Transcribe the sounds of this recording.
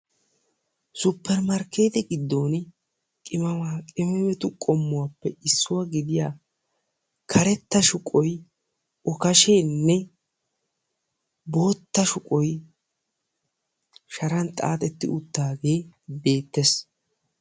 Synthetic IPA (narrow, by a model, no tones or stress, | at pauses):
sʊpːɛɾmɐɾke̞ːt̪ɛɡɪd̪ːo̞ːn | kʼɪmɐwaːkʼɪmɛmɛt̪ʊkʼɔmːʊwapːɛɪsːʊwaɡɪd̪ɪjaː | kʰɐɾɛt̪ːɐʃʊkʼɔj | ɔkɐʃeːnːɛ | bo̞ːt̪ːɐʃʊkʼɔj | ʃɐɾɐnt̪ʼa̰ːt̪ɛt̪ːɪ̰ʊt̪ːaːɡe̞ːbe̞ːt̪ːes